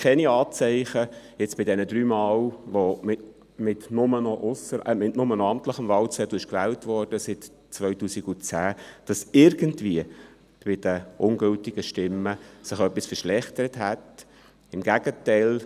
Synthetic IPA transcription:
kʰɛniɑːt͡sɛɪχəjɛt͡sb̥ɪdɛnədɾyːmɑːlʋomɪ | mɪtnʊmənɔʔʊsəəmɪtnʊmənɔɑmtləχəmvɑlt͡sɛd̥uɪʃkvɛːltvɔrd̥əsɪt | t͡sʋœʏtuːsiɡʊt͡sæːd̥ɑsɪɾɡ̥əntviə | b̥ɪd̥əʔʊnɡɵltɪɡ̥əʃtɪmːəsɪχœpːisfəʃlɛχtəɾətɦæt | ɪmɡ̥æɡ̥ətæɪl

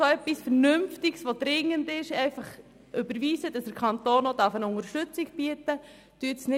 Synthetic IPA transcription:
soɛpːisfəɾnʏmftɪksʋod̥ɾɪŋːəndɪʃɛɪfɑχ | ʔʏbəɾʋiːzəd̥ɑsd̥əɾkʰɑnt̪oːnod̥ɑɾfənʊŋəɾʃtʏt͡siɡb̥iətə | d̥yːtsnɪ

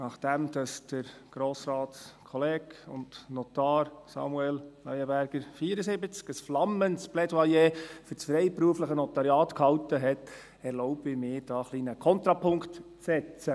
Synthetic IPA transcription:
nɑχd̥ɛmd̥ɑsd̥əɾɡ̥ɾoːsɾɑːtskʰɔleːkʊ̰ntnɔtɑːɾsɑ̰muɛlnœʏəbæɾɡ̥əɾfiːəɾəsɪbət͡skəsflɑmːəntsb̥lɛdwɑjeːfʏɾsfɾɛɪpɾuəfləχənɔt̪ɑɾjɑːt̪khɑltəɦɛt̪ | ɛɾlɔʊbɪmɪːɾd̥ɑːχlinəkʰɔnt̪ɾɑpʰʊŋktt͡sːɛt͡sə

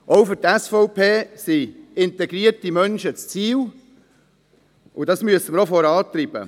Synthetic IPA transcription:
ʔɔwfɵtæsfɔʊpʰeːsiɪnt̪ɛɡɾiəɾtimœnʃət͡st͡siːw | ʊdɑsmyəsəməɾofɔɾɑːt̪ɾib̥ə̰

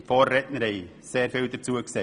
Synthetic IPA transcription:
fɔːrːɛtnəɾeɪ | seːɾfɪldəɾt͡suəkse

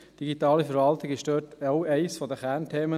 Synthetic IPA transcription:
d̥iɡitɑːlifɛɾvɑltɪɡɪʃdøːtaʊɛɪsfɔdəχæːɾntʰeːmə

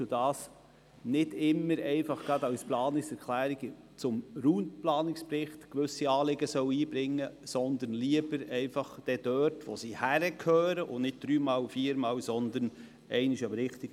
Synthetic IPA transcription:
ʊdɑːs | nɪdɪmːəɾɛɪnfɑχɡ̥ɾɑd̥̪ɑwsplɑːnɪksɛɾklæːɾiɡ | t͡sʊmɾuːndplɑːnɪkspɾɪχt̪kʋʏsiɑːlɪɡəsœwiːbɾɪŋːəsɔnd̪ənliəbəɾɛɪnfɑχd̥̪ɛd̥œːɾtʋosiːhæɾəkʰhøːɾəʔʊnɪt̚d̥ɾyːmɑːlfiːəɾmɑːlsɔnd̪ən | ʔɛɪnɪʃɑmɾɪχt̪iɡ

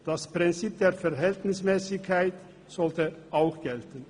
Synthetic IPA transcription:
d̥aspʁ̥ɪnt͡siːp̚d̥eːɐfɛɐɦɛltnɪsmɛːsɪkʰːaɪt | z̥ɔltəʔaʊxɡ̥ɛltən̩

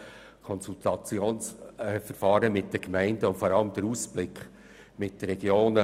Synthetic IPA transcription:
kʰɔnsult̪ɑt͡sjoːnsfəɾfɑːɾəmɪt̚d̥əkmæɪndəʊfɔɾɑləmd̥̪əɾuːsb̥lɪkχ | mɪt̚d̥əɾɛɡjoːnə

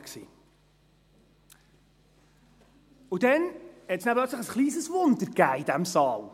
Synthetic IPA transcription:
ksḭː | ʊd̥ɛnhɛtsnæplœt͡sləχəsχliːzəsvʊndəɾɡ̥æɪd̥æmsɑːl

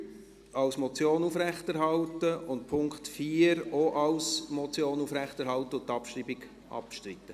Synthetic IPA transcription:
ɑwsmɔt͡sjoːnufɾæχtæɾɦɑltəʊntpʰʊŋkχtfiːəɾoʔɑwsmɔt͡sjoːnuːfɾæχtɛɾɦhɑltəʊnt̪ɑpʃɾibiɡ | ʔɑ̰pʃtɾɪt̪ːə

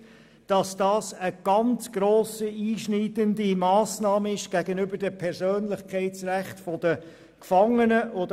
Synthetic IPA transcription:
d̥ɑsd̥ɑːsəɡ̥ɑnt͡sɡ̥roːsiiːʃniːdəndimɑːsnɑːməɪʃɡ̥æɡənʏbəɾdəpʰɛɾzøːnlɪχkʰɛɪt͡sræχtfɔdə | kfɑŋːənəʔod

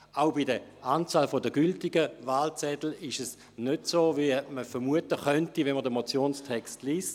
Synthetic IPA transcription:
aʊbidəʔaːnt͡saːlfodəɡyltiɡəvaːlt͡sɛdl̩ɪʃɛs | nødsoːviɛməfəɾmuətəχœntivɛnmədəmot͡sjoːnstʰɛkstliːst

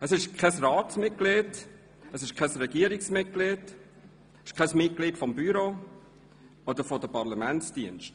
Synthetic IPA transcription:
əsɪʃkʰɛsɾɑːtsmɪt̚kled | əsɪʃkʰɛsɾɛɡiəɾɪksmɪt̚kled | ɪʃkʰɛsmɪt̚klɪtfɔmbyɾoː | ɔd̥̪əɾfɔdəpɑɾlamɛntsd̥iənʃt

